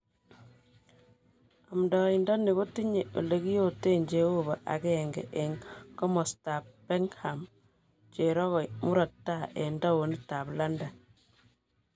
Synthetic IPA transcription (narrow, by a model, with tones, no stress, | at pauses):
a˨mdɔ˨i˨ndɔ˦ni˨ko˦ti˦ɲe˨ʔo̰˨le˦ki˦jo˦te˦˨ɲd͡ʒe˨˦o˦ba˨ʔa̰˨kɛŋɡɛ̰ʔe˨ŋkɔ˦mɔ˨sta˨p̚bɛ˦ŋha˨m | t͡ʃe˨ɾɔ˦ɣɔ˨mu˦ɾɔ˨tːa˦ʔe˨ndɔ˦wo˨ni˦ta˨pla˦nda˨